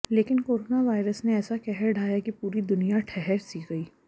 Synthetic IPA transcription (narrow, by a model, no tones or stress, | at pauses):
leːkɪnkoːɾoːnaʋaːɪɾəsneɛːsakɛɦɛɾɖʱaːjakipuːɾid̪ʊnijaʈʰɛɦɛɾsiːɡɐiː